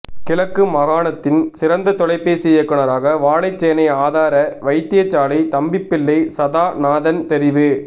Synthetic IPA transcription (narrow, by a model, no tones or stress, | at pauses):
kɪlɐkːɯmɐɣaːnɐt̪ːɪnsɪɾɐnd̪ɐt̪ɔlɐɪpːeːsɛjːɐkːɐɳɐɾaːɣɐʋaːlɐɪt͡ʃːɛjɐnɐɪaːðaːɾɐʋɐɪt̪ːɪjɐt͡ʃːaːlɐɪt̪ɐmbɪpːɪlːɐɪsɐðaːnaːðɐnt̪ɛɾɪʋɯ